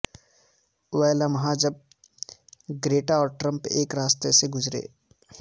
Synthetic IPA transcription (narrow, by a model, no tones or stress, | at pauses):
wɛːlamɐɦad͡ʒɐb̚ | ɡɾeːʈaɔːɾʈɾə̃mpeːkɾaːst̪eseɡʊzɾḛː